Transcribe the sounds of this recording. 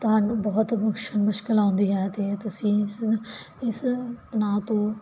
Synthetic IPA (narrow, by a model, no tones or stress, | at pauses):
t̪ɦənbɐɦʊt̪mʊkʃənmʊʃkɪlãːnd̪iːɦɛːt̪eːt̪ʊsĩː | ɪsnãːt̪õː